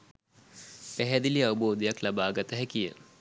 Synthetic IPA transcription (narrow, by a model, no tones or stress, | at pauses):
pɛɦɛd̪iliɐʋuboːd̪ijɐklɐbaːɡɐt̪ɐɦɛkijə̰